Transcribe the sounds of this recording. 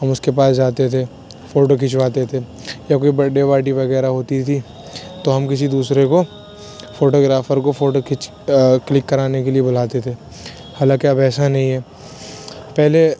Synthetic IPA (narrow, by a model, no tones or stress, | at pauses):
ɦɐmʊskepaːsd͡ʒaːt̪et̪ʰe | foːʈokɪt͡ʃʋaːt̪et̪ʰe | jakoːibɐɖeʋaːʈiʋɐɣɛːɾaɦoːt̪it̪ʰi | t̪oɦɐmkɪsid̪uːsɾeko | foːʈoːɡɾaːfəɾkofoːʈokɪt͡ʃ | klɪkːɐɾaːnekeliebʊl̤aːt̪et̪ʰeː | haːlãːkiɐbɛːsanɐɦĩɦɛː | pɛɦle